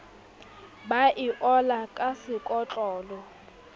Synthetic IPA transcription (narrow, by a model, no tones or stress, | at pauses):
baʔiʔɔlakʼasɪkʼɔt͡ɬʼɔːlɔ